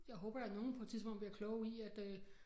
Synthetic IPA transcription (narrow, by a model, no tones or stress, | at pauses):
jɑ̈ɪɦɔ̽ːbɐd̥ɑno̝ːn̩pʰɒ̥̽t͡sʰiðˠsbɔ̽n̰d̥ə̥bliɐkʰlɔʊiæd̥